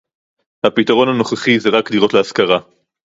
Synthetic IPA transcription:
hapitaʁo̞nano̞χaχizeʁakdiʁo̞tleaskaʁa

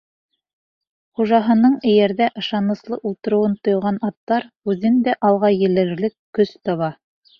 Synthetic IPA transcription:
χuʒɑɦɤ̆nɤɴɘ̆jæɾðæʔɤ̆ʃɑnɤ̆slˠɤʔulˠt̪ɤ̆ɾɤ̆wɤnt̪ŏjʁɑnɑt̪ːɑɾ | ʉðɘnd̪æʔɑlˠʁɑjɘ̆lɘ̆ɾlɘkkːɵst̪ɑβɑ

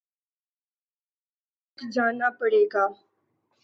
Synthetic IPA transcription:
kd͡ʒaːnapəɽeːɡaː

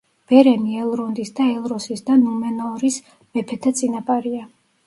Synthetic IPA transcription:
b̥ɛɾɛniɛlˠɾund̪isd̪aɛlˠɾɔsisd̪anumɛnɔɾis | mɛpʰɛt̪ʰat̪sʼinapʼaɾia

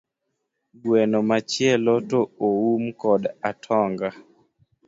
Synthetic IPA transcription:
ɡwɛnɔmat͡ʃjɛlɔtooumkɔdatʰɔŋɡa

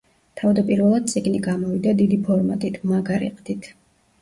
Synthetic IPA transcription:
t̪ʰavd̪apʼiɾvɛlˠad̪̚tsʰʼiɡniɡamɔvid̪ad̪id̪ipʰɔɾmat̪ʼit̪ʰmaɡaɾḭqʼd̪it̪ʰ

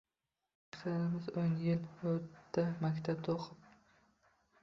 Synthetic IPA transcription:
t̪aɾɪmɪzonjɪlot̪ːamakʲt̪ʰab̚t̪ʰoqʰɨp̚

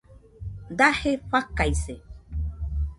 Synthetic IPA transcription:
d̪aheɸakaise

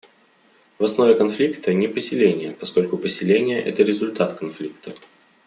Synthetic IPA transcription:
vɐsno̞vʲɪkɐnflʲikt̪ənʲɪpəsʲɪlʲenʲɪjəpɐsko̞lʲkʊpəsʲɪlʲenʲɪjəʔɛ̰t̪əɾʲɪzʊlʲt̪at̪kɐnflʲikt̪ə

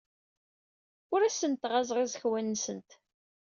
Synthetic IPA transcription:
ʊɾæsənt̪ʁæzˤʁizəçwænːsənt̪

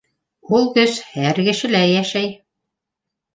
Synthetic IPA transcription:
ulˠkɵzhæɾkɘ̆ʃɘ̆læjæʃæj

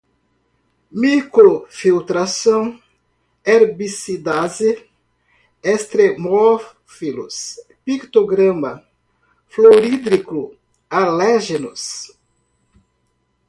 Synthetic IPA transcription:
mikɾofilt̪ɾasõw | eɾbisid̪aze | est̪ɾemo | filus | pikt̪oɡɾɐ̃ma | floɾid̪ɾikɾu | alɛʒenus

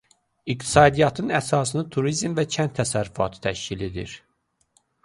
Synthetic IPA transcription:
ikt̪ʰi̥sɑːd̪ijɑt̪ʰɯnæsɑːsɯnɯt̪ʰuɾizmvæt͡ʃʰænt̪ʰːæsæɾyfɑ̰t̪ʰɯ̥t̪ʰæʃciled̪ḭɾ

